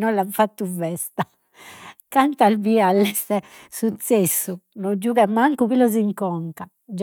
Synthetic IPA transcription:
nɔlːaɱfat̪ːuvɛst̪a | kant̪albialːɛsɛsut̪sesːunɔd͡ʒːuːɣamaŋkuβilɔziŋkɔŋka | d͡ʒ

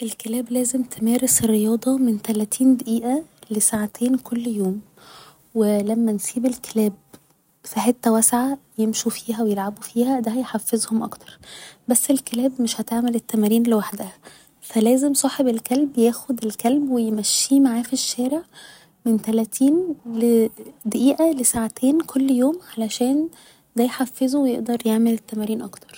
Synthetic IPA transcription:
ʔelkelæːblæːzemt̪ʰemæːɾesrːejɑːd̪ˤɑment̪ælæt̪ʰiːnd̪æʔiːʔælesaʕat̪ʰeːnkʰolːjoːm | welæmːænsiːbelkelæːb̚ | saħet̪ːæwæsʕajemʃufiːɦæwejelʕabufiːhæd̪æhæjħafːezhomʔɑ̰kt̪ʰɑ̥ɾˤbæsːelkelæːbmeʃhæt̪eʕmelet̪ːæmæːɾiːnlewaħd̪æhæ | fælæːzemsˤɑːħebelkælbjæːxod̪elkælbwejemæʃːiːmaʕaːfiʃːæːɾeʕ | ment̪ælæt̪ʰiːnled̪æʔiːʔælesaʕat̪ʰeːnkʰolːjoːmʕalæʃæːn | d̪æjħafːezuwejeʔd̪ɑɾˤjeʕmelet̪ːæmæɾiːnʔɑkt̪ɑ̥ɾˤ

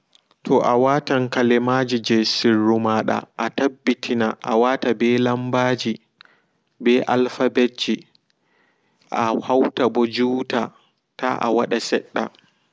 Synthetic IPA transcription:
tʰɔʔawataŋkalɛmad͡ʒid͡ʒɛsirːumaɗa̰ʔatabːitʰinaʔawaːtabɛlambaːd͡ʒi | bɛʔalfabed͡ʒi | ʔahawtabɔd͡ʒuːta | taʔa̰waɗasɛɗːa̰

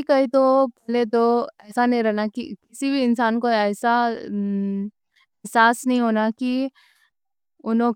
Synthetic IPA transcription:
ikəɦit̪opɛɦlet̪oɛːsanəĩɾɛɦnakḭkɪsibʱiɪnsaːnkoɛːsa | ɛɦsaːsnəĩɦoːnaki | ʊnõ

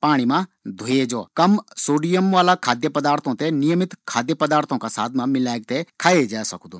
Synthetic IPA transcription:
paːɽ̃imãd̪ʱoed͡ʒoːkɐmsoːɖijəmʋaːlakʰaːd̪jəpɐd̪aːɾt̪ʰõt̪enijəmɪt̪kʰaːd̪jəpɐd̪aːɾt̪ʰõkasa̰ːt̪ʰmãmɪlaːeɡ̚t̪ekʰaːed͡ʒaːesɐkd̪oː

